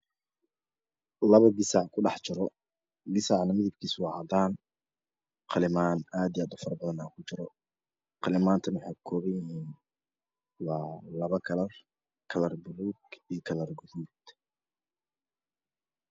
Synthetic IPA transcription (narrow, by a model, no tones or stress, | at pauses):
lɐβɐɡɪsɑʕkʰʊɖɑħt͡ʃɪɾɔ | ɡɪsɑʕnɐmɪðɪb̚kʰiːswɑːʕɑd̪aːn | qɑlɪmaːnaːd̪ijaːd̪ʊfɐrbɐðɐnaːkʰʊt͡ʃɪɾɔ | qɑlɪmaːnt̪ʰɐnwʊħɑjkʰɔːβɐjɪɦiːn | wɑːlɐβɐkʰɐlɐr | kʰɐlɐrbʊluːɡijkʰɐlɐrɡʊðuːd̪